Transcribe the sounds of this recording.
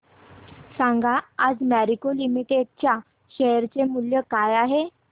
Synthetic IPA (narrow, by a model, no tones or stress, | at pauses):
sãŋɡaːd͡zmæɾikolimiʈeɖ̚t͡ɕja | ɕɛjəɾt͡semuljəkajaɦe